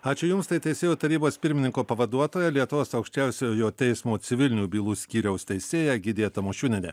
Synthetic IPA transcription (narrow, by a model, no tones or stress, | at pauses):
ɑːt͡ʃʲʊjʊmst̪ɐɪt̪ʲɛɪsʲeːjuːt̪ɐɾʲiːboːspʲɪɾʲmʲɪnʲɪŋkoːpɐʋɐd̪uɔt̪oːjɛlʲiɛt̪ʊʋoːsɐʊkʃʲt͡ʃʲæˑʊsʲojoːjoːt̪ʲɛɪsmoːsʲɪʋʲɪlʲnʲuːbʲiːlˠuːsʲkʲiːɾʲɛʊst̪ʲɛɪsʲeːjæɡʲɪd̪ʲeːt̪ɐmoːʃʲuːnʲɛnʲɛ̰